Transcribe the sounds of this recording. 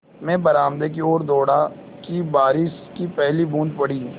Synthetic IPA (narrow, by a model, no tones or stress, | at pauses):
mɛ̃ːbɐɾaːmd̪ek̬ioːɾd̪oːɽa | kibaːɾɪʃkipɛɦlibũːnd̪̚pɐɽ̤ĩː